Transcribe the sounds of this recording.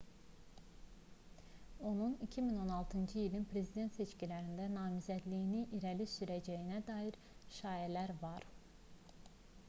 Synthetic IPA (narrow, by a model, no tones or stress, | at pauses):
o̞nunicʰimino̞nɑlˠt̪ʰɯnd͡ʒɯilinpʰɾe̞zid̪e̞nt̪se̞t͡ʃcilæɾind̪ænɑːmizæd̪lijiniʔiɾælisyɾæd͡ʒæjinæd̪ɑːiɾ | ʃɑːjælæɾvɑɾ